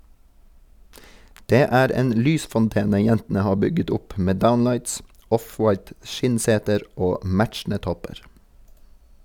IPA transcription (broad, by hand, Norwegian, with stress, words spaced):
ˈdeː ˈæːɾ ˈeːn ˈlyːsfɔnˌteːnə ˈjɛntn̩ə ˈhɑː ˈbʏɡət ˈʊp ˈmeː ˈdaʊnˌlɑɪts ˈɔfwɑɪt ˈʃɪnˌseːtəɾ ˈoː ˈmæt͡ʃn̩ə ˈtɔpəɹ